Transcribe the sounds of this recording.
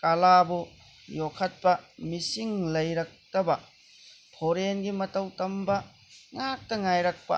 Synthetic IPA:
kalabu | jokʰːɐt̚pɐmisiŋlɐjɾɐk̚tɐbɐ | pʰoɾenɡimɐtɐwtɐmbɐ | ŋak̚tɐŋajɾɐk̚pɐ̰

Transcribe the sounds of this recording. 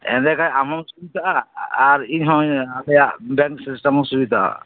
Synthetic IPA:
ɛ̰ndɛkajamɔsubit̪aʔaaɹiɦɔ̃jalɛjabɛŋksistamɔsubitaʔa̰

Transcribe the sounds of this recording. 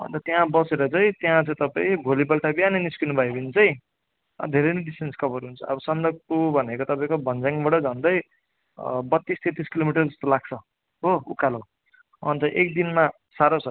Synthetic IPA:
ʌ̰nt̪ʌt̪jãbʌseɾʌt͡sʌĩt̪jãt͡sʌ̃ĩt̪ʌpaĩbʱolibʌlʈabianiniskinubʱʌjbʌnit͡sʌĩ | ʌ̰d̪ʱeɾʌjniɖisʈenskʰʌbʌɾuɦunt͡sʰʌʌ̰bʌsʌnd̪ʌk̚pubʱʌnekot̪ʌpaĩkobʱʌnd͡zaŋbʌɽʌd͡zʱʌnd̪ʌj | bʌt̪ːist̪ʰet̪iskilomiʈʌrd͡zʌst̪olaɡ̚t͡sʰʌ | ɦoukalo | ʌ̰nt̪ʌʔek̚d̪inma | saɾot͡sʰʌ

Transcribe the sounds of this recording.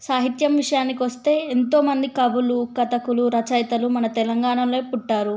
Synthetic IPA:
saːɦit̪jɐmʋiʂɐjaːnikiʋɐst̪e̞ːent̪o̞ːmɐnd̪ikɐʋulukɐt̪ɐkuluɾɐt͡ʃɐjt̪ɐlumɐnɐt̪ɛlɐŋɡaːɳɐmlo̞ːpuʈːaːɾu

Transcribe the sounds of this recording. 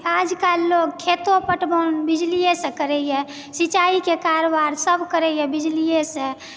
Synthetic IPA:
ad͡ʒkalːoɡkʰet̪opəʈbənbid͡ʒlijesə̃kəɾɛjɛ | sit͡ʃaikekaɾobaɾsəbkəɾɛjɛbid͡ʒlijesə̃

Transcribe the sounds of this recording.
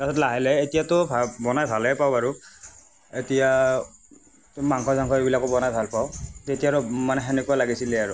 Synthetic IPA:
kasɔtlaɦɛlɛetijatʊbʱabɔnajbʱalɛpawaɹʊ | etija | maŋkʰɔzaŋkʰɔebilakɔbɔnajbʱalpaʊetijaɹʊmanɛɦɛnɛkualaɡisilɛaɹʊ

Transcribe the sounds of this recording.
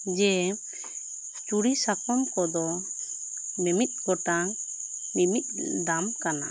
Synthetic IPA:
d͡ʒɛ | t͡ʃuɽisakɔmkɔd̪ɔ | mɛmit̪̚ˀkɔʈaŋ | nimit̪̚ˀd̪amkana̰

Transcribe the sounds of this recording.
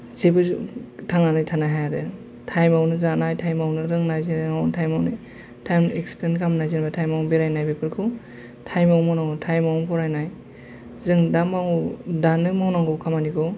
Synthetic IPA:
zebɯztʰaŋanajtʰanaɦajadɯ | tʰajmawnɯzanajtʰajmawnɯɾɯŋnajziawntʰajmawnɯ | tʰajmekspɾenkʰamnajzinabatʰajmawbeɾajnajbepʰɯɾkʰɯw | tʰajmawmɔnaŋutʰajmawnpʰɔɾajnaj | zɯŋdamaŋudanɯmawnaŋɡɯwkʰamanikʰɔ

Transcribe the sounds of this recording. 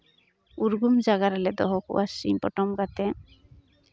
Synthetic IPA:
uɾɡumd͡ʒaɡaɾalɛd̪ɔɦɔkṵʔasḭɲpɔ̰ʈɔmɡat̪e

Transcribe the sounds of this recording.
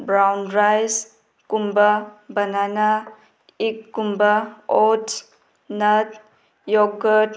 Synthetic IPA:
bɾawnɾajs | kumbabɐnana | ikːumbaɔt | nɐt̚ | jɔɡət

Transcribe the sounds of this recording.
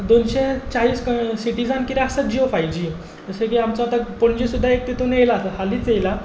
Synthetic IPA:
d̪onɕet͡saɦiːsksiʈid͡zankit̪aɦasad͡ʑiofajd͡ʑi | t̪əsekiamt͡saːt̪apoɽ̃d͡ʑisud̪ʱːaek̚t̪it̪unejlaəsahaliːt͡sejla

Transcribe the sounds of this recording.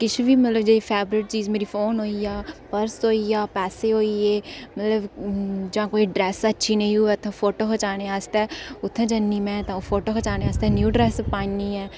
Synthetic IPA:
kɪt͡ʃʰʋiːmət̪ləbd͡ʒeːpʰɛːbɾɪʈ̚t͡ʃiːzmeːɾiːpʰoːnɦoːijaːpəɾsɦoːiːjaːpɛːseːɦoːiːeːmət̪ləbd͡ʒãːkoːiːɖɾɛːsətːʃʰiːnəĩɦʊɛːt̪ʰːãpʰoːʈoːkʰət͡ʃaːneːaːst̪ɛːʊt̪ʰːẽd͡ʒənːiːmɛ̃ːt̪ãːoːpʰoːʈoːkʰət͡ʃaːneːaːst̪ɛːnjuːɖɾɛːspaːiniːɛː

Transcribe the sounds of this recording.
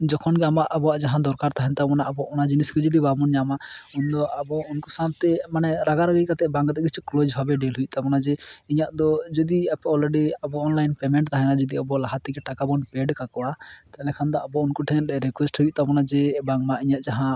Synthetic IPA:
d͡ʒɔkʰɔnɡɛamaʔabɔwaʔd͡ʒaɦãd̪ɔɾkaɾt̪aɦɛnt̪abɔnaʔabɔʔɔnad͡ʒiniskɛd͡ʒɔd̪ibʱabɔnɲamaund̪ɔabɔunkusat̪ɛmanɛɾaɡaɾaɡikat̪ɛʔbãŋɡt̪ɛɡit͡ʃɛklod͡ʒbʱabɛɖɛlɦujt̪apɔnad͡ʒɛiɲaʔd̪ɔd͡ʒɔd̪iapɛɔlɾɛɖiabɔːnlajnpɛmɛɳʈt̪aɦɛnad͡ʒɔd̪iabɔlaɦat̪ɛɡɛʈakabɔnpɛɖkakɔɽat̪aɛlɛkʰand̪aːbɔunkuʈʰɛnɾikwɛsʈɦuj̚t̪apɔnad͡ʒɛbaŋmaʔiɲaʔd͡ʒaɦã

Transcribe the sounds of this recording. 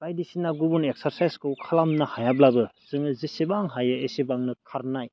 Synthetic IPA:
kajdisinaɡubunek̚saɾsajskɯwkʰalamnahajablabɯsɯŋɯzisibaŋɦajɯesibaŋnɯkʰaɾnaj

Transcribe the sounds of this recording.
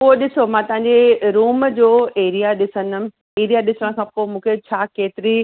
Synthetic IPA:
poːɗɪsomãt̪ɐɦãɲ̆d͡ʑeɾuːmd͡ʑoːeːɾijaɗɪsənəm | eːɾijaɗɪsəɽ̃kʰãːpoːmũːkʰet͡ɕʰaːkeːt̪ɪɾi

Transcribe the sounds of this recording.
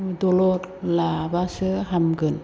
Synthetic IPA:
d̪olotlabasəɦamɡɯn

